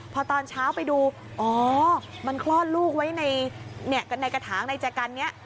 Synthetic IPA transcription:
pʰɔ˧t̪ɔː˧nt͡ɕʰaː˦˥wpa˧jduː˧ | ʔɔː˩˧˦ma˧nkʰlɔː˥˩t̪̚luː˥˩k̚wa˦˥jna˧jni˥˩ɐkna˧jka˧t̪ʰaː˩˦ŋna˧jt͡ɕa˨˩ka˧nːi˦˥ɐʔ

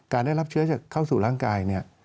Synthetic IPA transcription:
kaː˧ndaː˥˩jla˦˥p̚t͡ɕʰɯ˦˥ɐt͡ɕaː˨˩kʰːaː˥˩wsuː˨˩ɾaː˥˩ŋkaː˧jni˥˩ɐ

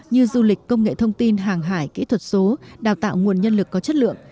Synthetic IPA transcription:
ɲɨ˧zu˧lï˨˩k̟̚kːə˧wŋ͡mŋḛ˧˨t̪ʰə˧wŋ͡mt̪i˧nɦaː˨˩ŋɦaː˧˩jkḭ˧˥t̪ʰwə˨˩t̚so˨˦ɗaː˨˩wt̪a̰ː˧˨wŋu˨˩ənɲə˧nlɨ˨˩kːɔ˨˦t͡ɕə˦˥t̚lɨ̰˧˨əŋ

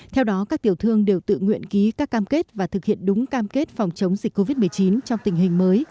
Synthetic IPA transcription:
t̪ʰɛ˧wɗɔ˨˦kaː˦˥k̚t̪i˨˩əwt̪ʰɨ˧əŋɗe˨˩wt̪ɨ̰˧˨ŋwḭ˧˨ənki˨˦kaː˦˥kːaː˧mke˦˥t̚vaː˨˩t̪ʰɨ˨˩k̚hḭ˧˨ənɗʊ˨˦ŋ͡mkaː˧mke˦˥t̚fɔ˨˩wŋ͡mt͡ɕə˨˦wŋ͡mzi˨˩k̟kːo˧vi˦˥t̚mɨ˨˩əjt͡ɕi˨˦nt͡ɕɔ˧wŋ͡mt̪ï˨˩ŋ̟ɦï˨˩ŋ̟məː˨˦j

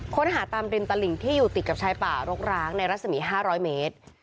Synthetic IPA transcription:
kʰo˦˥nɦaː˩˦t̪aː˧mɾi˧nt̪aː˧li˨˩ŋt̪ʰiː˥˩juː˨˩t̪i˨˩ka˨˩p̚t͡ɕʰaː˧jpaː˨˩ɾo˦˥k̚ɾaː˦˥ŋna˧jɾa˦˥t̪̚sa˧miː˩˦ɦaː˥˩ɾɔː˦˥jmeː˦˥t̪̚

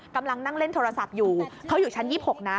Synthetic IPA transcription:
ka˧mla˧ŋna˥˩ŋle˥˩nt̪ʰoː˧ɾa˧sa˨˩p̚juː˨˩kʰa˦˥wjuː˨˩t͡ɕʰa˦˥njiː˥˩p̚ho˨˩k̚na˦˥

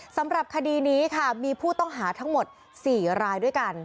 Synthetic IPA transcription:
sa˩˦mɾa˨˩p̚kʰa˧diː˧niː˦˥kʰa˥˩miː˧pʰuː˥˩t̪ɔ˥˩ŋɦaː˩˦t̪ʰa˦˥ŋmo˨˩t̪̚ | siː˨˩ɾaː˧jdu˥˩jka˧n

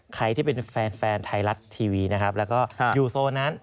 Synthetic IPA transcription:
kʰa˧jt̪ʰiː˥˩pe˧nfɛː˧nfɛː˧nt̪ʰa˧jla˦˥t̪ʰːiː˧wiː˧na˦˥kʰa˦˥p̚lɛː˦˥wkɔː˥˩˧juː˨˩soː˧na˦˥n

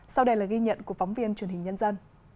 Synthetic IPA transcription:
sa˧wɗə˧jlaː˨˩ɣi˧ɲə̰˧˨nku˧˩əkfɔ˨˦ŋ͡mvi˧ənt͡ɕwənɦï̟˨˩ɲə˧nzə˧n

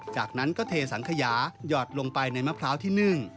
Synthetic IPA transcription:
t͡ɕaː˨˩k̚na˦˥nkɔː˥˩t̪ʰeː˧sa˩˦ŋkʰa˧jaː˩˦jɔː˨˩t̪̚lo˧ŋpa˧jna˧jma˦˥pʰɾaː˦˥wt̪ʰiː˥˩nɯ˨˧˩ŋ

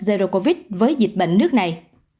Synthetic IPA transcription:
ze˧zo˧ko˧vi˦˥t̚vəː˨˦jzi˨˩t̚ɓə̰˧˨ŋ̟nɨ˦˥k̚na˨˩j

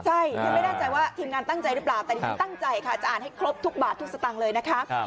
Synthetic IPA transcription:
t͡ɕʰa˥˩jja˧ŋma˥˩jnaː˥˩t͡ɕa˧jwaː˥˩t̪ʰiː˧mŋaː˧nt̪a˥˩ŋt͡ɕa˧jɾɯ˦˥p̬laː˨˩wt̪ɛː˨˩i˧i˧t̪a˥˩ŋt͡ɕa˧jkʰa˦˥˩t͡ɕa˨ʔaː˨˩nha˥˩jkʰɾo˦˥p̚t̪ʰu˦˥k̚baː˨˩t̪ʰːu˦˥k̚sa˧t̪a˨˩ŋlɤː˧jna˦˥kʰa˦˥

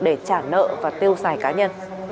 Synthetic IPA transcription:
ɗe˧˩t͡ɕaː˧˩nə̰ː˧˨vaː˨˩t̪i˧əwzaː˨˩jkaː˨˦ɲə˧n

